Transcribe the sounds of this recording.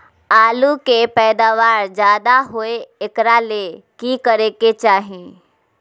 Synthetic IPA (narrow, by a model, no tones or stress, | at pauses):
aːlukepɛːd̪aːʋaːɾd͡ʒjaːd̪aɦoeɪkɾale | kikəɾeket͡ʃaːɦĩ